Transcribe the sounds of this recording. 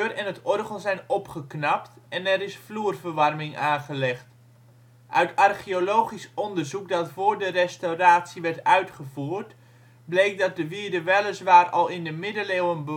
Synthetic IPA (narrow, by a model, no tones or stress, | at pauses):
rɛnətɔrχəlˠzɛjnɔpχəknɑptɛnɛɾɪsfluːrvərʋɑrmɪŋʔaːnχəlɛχt | ʔœɥtɑrχioloːχisɔndərzuk̚dɑtfʊːɹdərɛstowraːtsiʋɛrtœɥtχəvuːrt | blejk̚dɑt̚dəʋidəʋɛləsʋaːrɑlˠɪndəmɪdəleːwənbə